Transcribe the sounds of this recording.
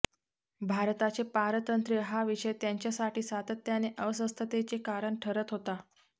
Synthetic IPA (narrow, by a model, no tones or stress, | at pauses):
bʱaɾt̪at͡ɕepaɾət̪ənt̪ɾiɦaʋiʂəjt̪jaɲt͡ɕjasaʈiːsat̪ət̪janeʔəʋəsəst̪ʰət̪et͡sekaɾəɳʈʰəɾət̪ɦot̪a